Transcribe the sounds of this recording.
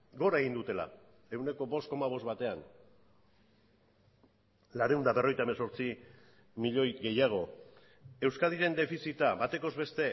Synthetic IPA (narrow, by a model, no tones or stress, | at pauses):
ɡo̞ɾaeɣ̞ind̪ut̪e̞la̰ | e̞wne̞ko̞bo̞sko̞maβ̞o̞zβat̪e̞an | laɾeuwnd̪aβero̞jt̪aemenso̞ɾt͡si | miʎo̞jɣe̞jaɣ̞o̞ | e̞wskaðiɾe̞nd̪e̞fisit̪aβat̪e̞ko̞zβe̞st̪e̞